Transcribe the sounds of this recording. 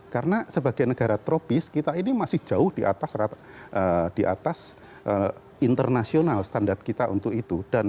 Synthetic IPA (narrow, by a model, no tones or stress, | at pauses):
kaɾənasəbaɡajnəɡ̥aɾat̪ɾopɪskit̪ainimasɪhd͡ʒ̥aʊhd̥iʔa̰t̪asra | ʔəd̥iʔat̪as | ʔə | int̪ərnasionalsə̥t̪andart̪̚kit̪aʔṵnt̪ʊkit̪ud̥an